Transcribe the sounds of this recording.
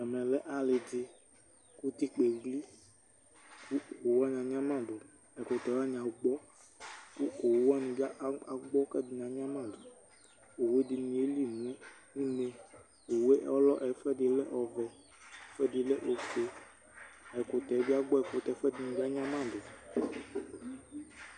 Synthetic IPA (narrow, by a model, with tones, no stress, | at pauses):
ɛ˨mɛ̃˨lɛ˦ʔa˨le˨d͡ʒe˦ | ku˦t̪i˦k͡pe˨ɡli˦ | ku˦o˨wa˦ɲã˨ɲ˦ã˦mã˦˨ɖo˨ | ɛ˨ko˨t̪ɛ˨˦a˦ɲã˨wo˨ɡ͡bɔ˦ | ku˦o˨wa˦nũ˨bi˦a˦ʔa˨ɡ͡bɔ˦kɛ˦d̪i˨ɲã˨ɲ˦ã˦mã˦˨do˨ | o˨we˦d̪i˨nĩ˨e˦li˦nũ˨˦ẽ˦nĩ˦lẽ˨ | o˨we˦ʔɔ˦lɔ˦ʔɛ˨˦fɛ˦de˨lɛ˦ʔɔ˨vɛ˨˦ | fɛ˦de˨lɛ˦ʔo˨ke˨ | ɛ˨ko˨t̪ɛ˨˦bi˦a˦ɡ͡bɔ˦ɛ˨ko˨t̪ɛ˨˦fɛ˦di˨nũ˨bi˦a˦ɲ˦ã˦mã˦˨do˨